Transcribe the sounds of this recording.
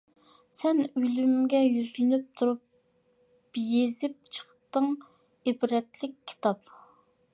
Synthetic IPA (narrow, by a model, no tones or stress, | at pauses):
sɛnølymɡʲɛjyzlɪnyp̚t̪ʰuɾup | jezɪp̚t͡ʃʰə̥χt̪əŋ | ebɾɛt̪lɪkʲʰːi̥t̪ʰɑp